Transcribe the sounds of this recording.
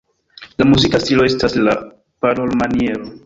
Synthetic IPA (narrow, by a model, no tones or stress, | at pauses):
lamuzikastilo̞e̞stasla̰ | paɾolmanie̞ɾo